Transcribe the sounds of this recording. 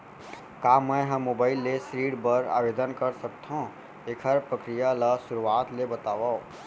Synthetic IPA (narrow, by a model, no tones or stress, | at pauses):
kaːmɛ̃ɦɐmːoːbaːɪlːesɾiːɖbəɾa̰ːʋeːd̪ənkɐɾsɐkt̪ɦõ | eːkʰəɾpɾəkɾijalasʊɾuaːt̪lebɐt̪aːʋao